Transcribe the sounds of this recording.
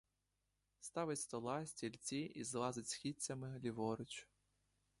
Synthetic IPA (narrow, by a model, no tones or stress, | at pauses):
st̪ɑʋɪtʲst̪ɔlˠɑsʲtʲilʲt͡sʲiʔizlˠɑzɪtʲsxʲit͡sʲːɐmɪlʲiʋɔɾɪt͡ʃʊ̥